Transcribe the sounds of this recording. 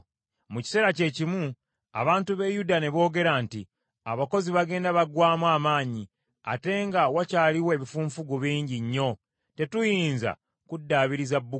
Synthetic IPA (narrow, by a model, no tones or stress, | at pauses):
muci̥se̞ːɾace̞cimu | a̰βaːntuβe̞judane̞βo̞ːɡe̞ɾanti | aβako̞ziβaɡe̞ːndaβaɡwaːmwaːmaːɲi | a̰te̞ːŋɡawacaːliwe̞ːβifuːɱfuɡuβiːɲɟiɲːo̞ | te̞tujiːnza̰ | kudːaːβiɾizabːu